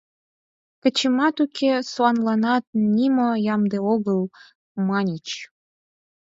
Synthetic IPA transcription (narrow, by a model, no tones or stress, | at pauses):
kə̆t͡ɕəmɑt̪ukʰesoɑnlɑnɑt̪̚nʲimojɑmd̪eoɣəl | mɑnʲit͡ɕ